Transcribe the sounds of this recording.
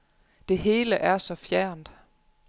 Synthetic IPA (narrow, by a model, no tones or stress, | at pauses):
d̥e̝ɦe̝ːləʔæɐsɒ̽fjæɐ̰nd̥